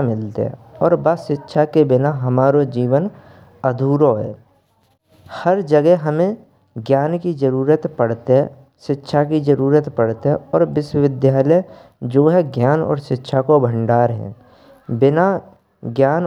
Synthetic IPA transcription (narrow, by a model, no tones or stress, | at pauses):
mɪlt̪ḛɦɛ̰̃ɔːɾbaːsɪtːʃʰakebɪnaɦəmaːɾod͡ʒiːʋən | əd̪ʱuːɾoɦɛ̰ː | həɾd͡ʒəɡɛɦɦəmẽ | ɡjaːnkid͡ʒəɾuːɾət̪pəɽt̪eɦɛ̃ | ʃɪtːʃʰakid͡ʒəɾuːɾət̪pəɽt̪eɦɛ̃ɔːɾʋɪʃwəʋɪd̪jaːləj | d͡ʒoːɦɛɡjaːnɔ̰ːɾʃɪtːʃʰakobʱə̃ɳɖaːɾɦɛ̰̃ː | bɪna | ɡjaːn